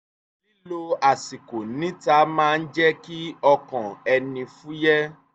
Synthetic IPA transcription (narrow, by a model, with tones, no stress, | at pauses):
i˦lo˧a˨si˨ko˨nĩ˨˦ta˧˦mãː˦˧n̩˦d͡ʒɛ˦ki˦ɔ˧kɔ̃˨ɛ˧nĩ˧fũ˦jɛ˦